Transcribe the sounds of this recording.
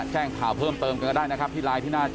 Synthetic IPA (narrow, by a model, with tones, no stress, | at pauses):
t͡ɕɛː˥˩ŋkʰaː˨˩˦wpʰɤː˥˩mt̪ɤː˧mka˧nkːdaː˥˩jna˦˥kʰa˦˥p̪̚ʰiː˥˩laː˦˥jt̪ʰiː˥˩naː˥˩t͡ɕ